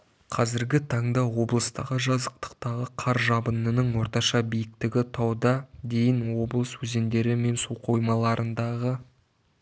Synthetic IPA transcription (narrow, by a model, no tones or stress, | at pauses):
qʰɑzɪɾɡʲɪt̪ʰɑɴd̪ɑwo̞blˠəst̪ɑ̰ʁəʒɑzəq̚t̪ə̥qt̪ɑʁəqʰɑɾʒɑbənənəɴwo̞ɾt̪ɑʃɑbijɪk̚t̪ɪɡʲɪt̪ʰɑwd̪ɑd̪e̞jɪnwo̞blˠəswɵze̞nd̪e̞ɾɪme̞nsuqʰo̞jmɑlˠɑɾʔənd̪ɑʁə